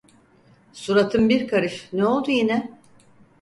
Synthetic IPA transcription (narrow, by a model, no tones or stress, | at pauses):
suɾat̪ʰɯmbiɾkʰaɾɯʃnɛo̞lˠd̪ujinɛ